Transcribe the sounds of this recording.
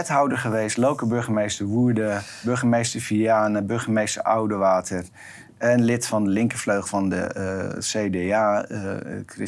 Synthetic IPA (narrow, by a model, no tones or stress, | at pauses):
ɛtɦawdəχəʋejstlowkəbøɹχəmejstəɹʋuədə | bøɹχəmejstəɹfiaːnəbøɹχəmejstəɹʔa̰wdəʋaːtʰər | ɛnlɪtfɑndəlɪŋkəfløɥχfɑndə̰seːdeaː | krɪ